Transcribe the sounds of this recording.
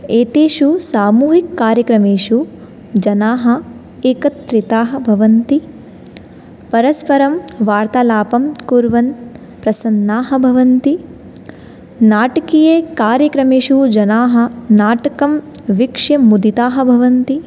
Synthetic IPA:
eːt̪iːʃusaːmuːɦikːaːɾjɐkɾɐmeːʃu | d͡ʒɐnaːɦɐ̆ | eːkɐt̪ːɾit̪aːɦɐ̆bʱɐʋɐnt̪i | pɐɾɐspɐɾɐmʋaːɾt̪ɐlaːpɐmkuːɾʋɐn | pɾɐsɐnːaːɦɐbʱɐʋɐnt̪i | naːʈɐkijeːkaːɾjɐkɾɐmeːʂud͡ʒɐnaːɦɐ̆naːʈɐkɐm | ʋikʂɐmud̪it̪aːɦɐ̆bʱɐʋɐnt̪i

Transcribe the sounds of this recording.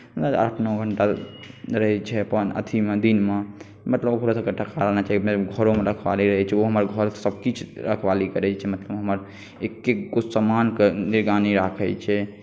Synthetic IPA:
mət̪əa̰ʈʰnɔɡʱəɳʈaɾəɦɛt͡ʃʰɛpənə̰t̪ʰimed̪inme | mət̪ləbkoɾasəkeʈʰəkaɾənat͡ʃaɦikmebɡʱəɾomeɾəkʰbaliɾəɦɛt͡ʃʰɛoɦəməɾɡʱəɾsəb̚kit͡ʃʰɾəkʰʋalikəɾɛt͡ʃʰɛmət̪ləbɦəməɾ | ekːeɡosəmankeniɾɡaniɾakʰɛt͡ʃʰɛ

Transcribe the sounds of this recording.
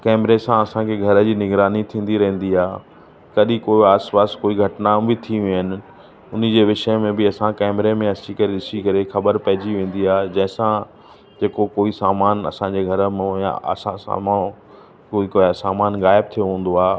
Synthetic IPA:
kɛːmɾesãɐsãkʰeɡʱɐɾəd͡ʑiːnɪɡɾaːnit̪ʰĩːn̆d̪iɾɐ̃ɦɪ̃n̆d̪iaː | kɐɗĩkoːiaːspaːskoːiɡʱɐʈnãːbɪt̪ʰiɦɪnɪ̆ | ʊnə̆d͡ʑeːʋɪʃəmẽbɪɐsãkɛːmɾemẽɐsikɐɾeɗɪsikɐɾexɐbəɾpɐ̃ɦɪ̃d͡ʑiʋẽːn̆d̪iaːd͡ʑɐ̃ɦɪ̃sã | d͡ʑeːkokoːisaːmaːnɐ̰sãd͡ʑeːɡʱɐɾəmjã̰ɐ̰sãsa̰ːmã | kːikːsaːmaːnɣaːɪb̚t̪ʰijoɦũːn̆d̪oaː

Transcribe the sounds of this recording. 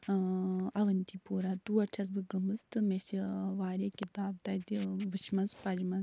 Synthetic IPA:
ɐʋɐnʲt̪ipuːɾat̪uːɐʈʰɐs̬bɨɡɐmɨst̪ɨmesiʋaːɾeːkit̪aːb̚t̪ɐt̪iʋɨʃmɐnspɐd͡ʒmɐn

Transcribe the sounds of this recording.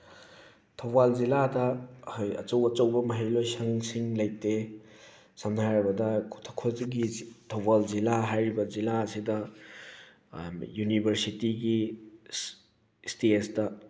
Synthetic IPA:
tʰɐwbalziladɐhɐjɐ̰t͡ʃɐwɐt͡ʃɐwbɐmɐɦijlojsɐŋsiŋlɐjte | sɐmnajɾɐbɐdɐkʰutʰɐkʰoziɡitʰɐwbald͡ʒilaɦajɾibɐd͡ʒilaɐsidɐ | junibʱɐɾsitiɡi | stesdɐ

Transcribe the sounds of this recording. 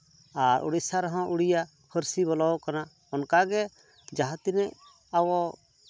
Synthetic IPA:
aɾʔṵɽisaɾɔɦɔ̃ʔuɽija | pʰəɾsibɔlɔwkana | ɔnkaɡɛ | d͡ʒaɦat̪inɛʔ | awɔ

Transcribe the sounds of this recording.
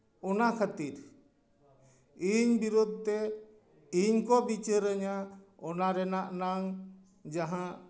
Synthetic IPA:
ɔnakʰət̪iɾ | iɲbiɾud̪̚ʱt̪ɛ | iɲkɔbit͡ʃəɾəɲaɔnaɾɛnaʔnaŋ | d͡ʒaɦã

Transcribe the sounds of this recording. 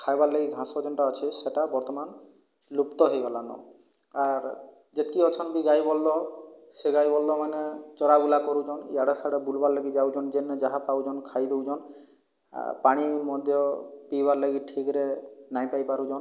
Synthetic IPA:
kʰajbaɾleɡiɡʱãsɔd͡ʒɔnʈaɔt͡ʃʰiseʈabɔɾt̪ɔman | lupt̪ɔɦejbalanɔ̰ | aɾ | d͡ʒet̪kiɦɔt͡ʃʰɔnkiɡajbɔlːɔseɡajbɔlːɔmanet͡ʃɔɾabulakɔɾud͡ʒɔnḭaɽesaɽebulbaɾleɡid͡ʒawd͡ʒɔnd͡ʒenːed͡ʒaɦapawd͡ʒɔnkʰajd̪ewd͡ʒɔn̰ | paɽ̃imɔd̪ʱjɔpibaɾleɡiʈʰikɾenajpajpaɾud͡ʒɔn

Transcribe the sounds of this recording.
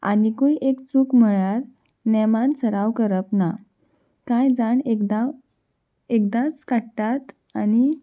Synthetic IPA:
a̰nikuiʔekt͡sukm̤əɭjaɾ | nɛmãnt͡səɾaʋkəɾəpna | kãjd͡zaɳekd̪a | ek̚d̪at͡skaʈat̪ | ani

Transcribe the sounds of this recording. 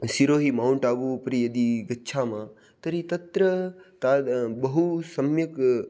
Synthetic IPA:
siɾoːɦimaːuɳʈaːʋupəɾijəd̪iɡɐtːʃʰamã | t̪əɾit̪ɐt̪ɾət̪aːbəɦusɐmjək

